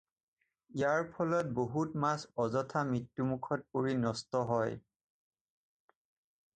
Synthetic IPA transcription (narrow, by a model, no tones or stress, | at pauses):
ijaɹpʰɔlɔt̚boɦutmasɔzɔtʰamɹitːumukʰɔt̚poɹinɔstɔɦɔj